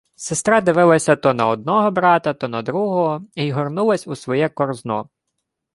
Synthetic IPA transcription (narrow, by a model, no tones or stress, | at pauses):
sɪst̪ɾɑd̪ɪʋɪlˠɐsʲɐt̪ɔnɐɔd̪̚nɔɦɔbɾɑt̪ɐt̪ɔnɐd̪ɾuɦɔɦɔiɦɔrnulˠɐsʲusʋɔjɛkɔrznɔ̰